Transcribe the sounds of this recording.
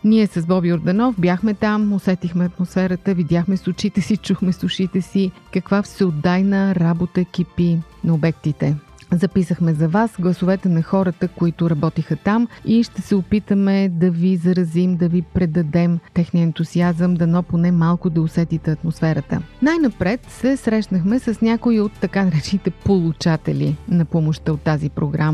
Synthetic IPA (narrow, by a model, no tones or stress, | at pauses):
niɛsɐzbɔbiʊɾd̪ɐnɔfbjaxmɛt̪amosɛt̪ixmɛɐt̪mʊsfɛɾət̪əvid̪ʲjaxmɛsʊt͡ʃit̪ɛsit͡ʃuxmɛsʊʃit̪ɛsikɐkvafsɛod̪ːajnəɾabot̪ək̟ipi | nɐobɛkt̪it̪ɛ | zɐpisəxmɛzɐvasɡlˠɐsʊvɛt̪ɛnɐxɔɾət̪əkʊit̪ʊɾɐbɔt̪ixət̪amiʃt̪ɛsɛopit̪əmɛd̪ɐvizɐɾɐzimd̪ɐvipɾɛd̪ɐd̪ɛmt̪ɛxniəɛnt̪uziazəmd̪ɐnɔponɛmalˠkʊd̪ɐosɛt̪it̪ɛɐt̪mosfɛɾət̪ə̰najnɐpɾɛt̪sɛsɾɛʃnəxmɛsəsnʲakʊiot̪ːɐkanɐɾɛt͡ʃɛnit̪ɛpolˠut͡ʃat̪ɛ̰lʲḭnɐpɔmoʃt̪əot̪ːazipɾoɡɾam